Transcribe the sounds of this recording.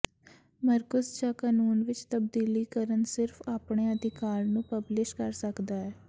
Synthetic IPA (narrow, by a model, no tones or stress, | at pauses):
məɾkəsd͡ʒaːkaːnuːnʋɪt͡ʃt̪əb̚d̪iːliːkəɾənsɪɾfʰaːpɳeːəd̪ɪkaːɾnũːpəblɪʃkəɾsəkd̪aːɛː